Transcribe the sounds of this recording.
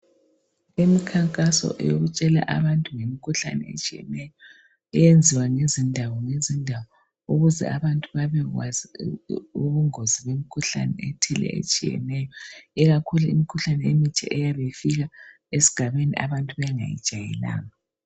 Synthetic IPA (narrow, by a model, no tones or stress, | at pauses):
emikʰaŋkʼasɔ̰ʔɛ̰joɣut͡ʃʼɛla̰ʔa̰βantʼuŋemikʰuɬa̰nɛ̰ḛt͡ʃʼijɛ̰nɛjɔ | ɛjend͡zʱiwaŋezindʱawɔŋezindʱawɔ | uɣuzɛ̰aβantʼuβaβɛɣwa̰zi | uβuŋoziβemikʰuɬa̰nɛ̰ɛtʰɛlɛ̰ḛt͡ʃʼijɛ̰nɛjɔiɣakʰuluḭmikʰuɬanɛemitʰɛ̰ʔɛjaβefiɣa | esi̥ɡ̥ʱaβenḭʔaβantʼuβɛŋa̰jḭd̥ʒ̥ʱajɛ̰la̰ːŋa